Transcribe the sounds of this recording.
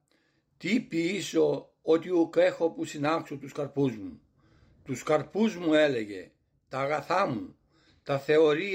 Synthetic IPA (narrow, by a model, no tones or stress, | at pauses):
t̪ipiso̞ | ot̪iuke̞xo̞pusinɐksut̪uskɐɾpuzmu | t̪uskɐɾpuzmue̞le̞ʝe̞̰ | t̪ɐːɣɐθɐmu | t̪ɐθe̞o̞ɾi